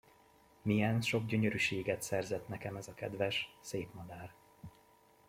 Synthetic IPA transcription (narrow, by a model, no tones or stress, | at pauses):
mijɛnʃo̞ɡɟø̞ɲøɾyʃeːɡɛt̪sɛrzɛt̪nɛkɛmɛzɒkɛd̪vɛʃseːpmɒd̪aːr